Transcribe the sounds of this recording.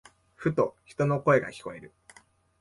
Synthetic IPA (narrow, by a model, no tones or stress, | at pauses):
ɸɯ̟t̪o̞çi̥t̪o̞noko̞e̞ɡa̰kʲi̥ko̞e̞ɾɯ̟